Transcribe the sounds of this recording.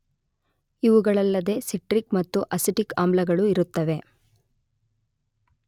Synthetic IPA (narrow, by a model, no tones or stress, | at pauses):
iʋuɡɐɭɐlːɐd̪e̞ːsiʈɾikmɐt̪ːuʔɐsiʈika̰ːmblɐɡɐɭuiɾut̪ːɐʋe̞